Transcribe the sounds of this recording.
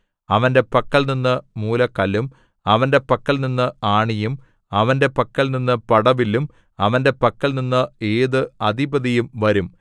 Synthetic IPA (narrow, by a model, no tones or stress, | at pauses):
ɐʋɐnde̞pɐkːɐɭninːɨmuːlɐkɐlum | ɐʋɐnde̞pɐkːɐlninːɨaːɳijum | ɐʋɐnde̞pɐkːɐlninːɨpɐɽɐʋilːum | ɐʋɐnde̞pɐkːɐɭninːɨeːðɨɐd̪ʱibɐðijumʋɐɾum